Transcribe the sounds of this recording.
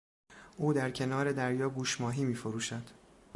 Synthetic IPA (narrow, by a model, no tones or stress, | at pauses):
ʔuːd̪æɾcʰe̞nɒːɾe̞d̪æɾjɒːɡuːʃmɒːɦiːmiːfo̞ɾuːʃæd̪̥